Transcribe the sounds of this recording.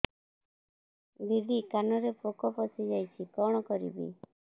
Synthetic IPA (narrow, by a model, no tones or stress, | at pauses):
biɖ̪ikanɔɾepokɔpɔsid͡ʒajt͡ʃʰikɔɽ̃ɔkɔɾḭbḭ